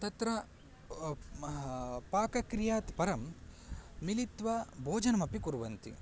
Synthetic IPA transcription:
t̪ɐt̪ɾɐ | paːkɐkɾijaːt̪pɐɾɐmː | ilit̪ʋɐbʱoːd͡ʒɐnɐmɐpikuɾʋɐnt̪ḭ

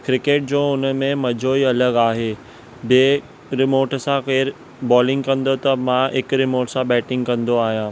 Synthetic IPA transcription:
kɾɪkeːʈ̚d͡ʑoːʊnəmẽmɐd͡ʑʱoːiɐləɡaːɦeː | beː | ɾɪmoːʈsãkeːɾ | bɔːlɪ̃ŋɡkɐ̃nd̪ot̪ɐmãɪkɾɪmoːʈsãbɛːʈɪ̃ŋɡkɐ̃nd̪oaːɦijãː

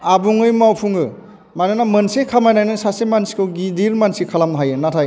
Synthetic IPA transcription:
abuŋɯjmawpʰuŋɯ | mananamɐnsekʰamajnajnansasemansi̥kʰɯwɡidiɾmansikʰalamɦajɯnatʰaj

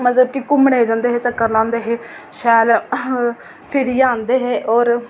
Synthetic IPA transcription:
mət̪ləb̚kikʊmɽeːd͡ʒãːnd̪eːɦeːt͡ʃəkːəɾlãːnd̪eːɦeːʃɛːl | pʰɪɾiːãːnd̪eːɦeːʔɔːɾ

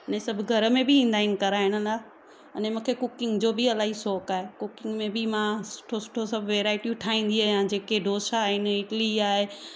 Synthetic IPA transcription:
ɐnẽsɐbʱɡʱɐɾəmẽbʱɪĩːn̆d̪aːɪnɪ̆kɐɾaːɦɪɽ̃əlaː | ɐnẽmũːkʰekʊkɪ̃ŋɡd͡ʑoːbɪɐlaːɦisɔːkaːɦekʊkɪ̃ŋɡmẽbɪmãsʊ̥ʈʰosʊ̥ʈʰosɐbʱʋeːɾaːɪʈijũʈʰaːĩːn̆d̪iaːɦjãd͡ʑeːkeɖʱoːʃaːɦɪnɪʈliaːɦe

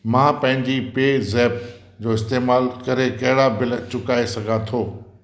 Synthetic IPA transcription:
mãːpɐ̃ɦɪ̃ɲd͡ʑipeːzɛːp | d͡ʑoːɪst̪eːmaːlkɐɾekɐɦɪɽabɪlt͡ɕʊkaːesɐɡʱãt̪ʰoː

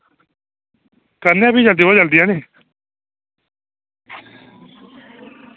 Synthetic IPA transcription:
kəɾnãːbiːd͡ʒəld̪iːɦod͡ʒəld̪iːãːneː

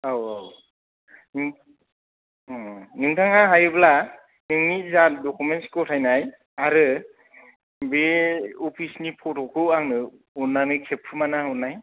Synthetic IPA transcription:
awaw | nɯŋ | nɯŋtʰaŋaɦajbla | nɯŋnizadɔkumenskɔtʰajnaj | aɾɯ | beɔpʰisnipʰɔtʰɔkʰɯaŋnɯ | unːanɯkʰep̚ʰːɯmanaɦɔnaj

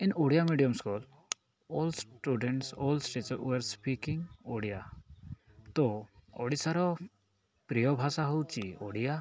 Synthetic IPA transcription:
ɪnoɽijamiɖijəmskul | ɔːlsʈuːɖɛɳʈsɔːlsʈet͡ʃːeɾspikɪŋoɽija | t̪ɔɔ̰ɽisaɾɔ | pɾijɔbʱasaɦowt͡ʃio̰ɽija

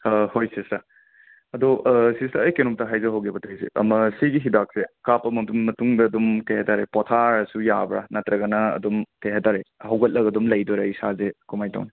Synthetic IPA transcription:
hojsisa | ɐdoʔsisaːjkenɔmtɐɦajzɐɦawɡebɐtʰɐjsḛɐ̰mɐsiɡiɦidak̚sekapɐmɐdunmɐtuŋdɐːdumkɐjhetaɾepɔtʰaɾɐsujabɾa̰nɐtɾɐɡɐnɐɐ̰dɔmkajɦataɾehɐwɡɐt̚lɐɡɐdɔmlɐjdɔɾaisazekumajta̰wni

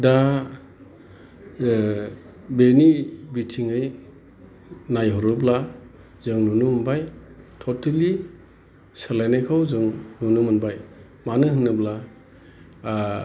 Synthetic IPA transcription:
da | benibitʰiŋɯj | najɦɔɾubla | zɯŋnunumunbajtʰɔtʰali | salajnajkʰawzɯŋnunumɯnbaj | manɯɦɯnːɯbla

